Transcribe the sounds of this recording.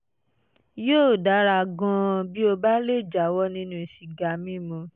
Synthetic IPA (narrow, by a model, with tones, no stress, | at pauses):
joː˦˨da˨˦ɾa˧˨ɡɔ̃˧˦˧bi˦o˧ba˦le˦˨d͡ʒa˨˦wɔ˦nĩ˦nũ˦i˨ʃi˨ɡa˨mĩ˦˨mũ˧